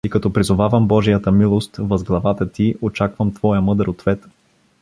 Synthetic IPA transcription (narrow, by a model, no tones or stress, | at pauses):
ikɐt̪ɔpɾizʊvavəmbɔʒijət̪əmilˠost̪vɐzɡlˠɐvat̪ət̪iot͡ʃakvəmt̪vɔjəmɤd̪ɾot̪vɛt̪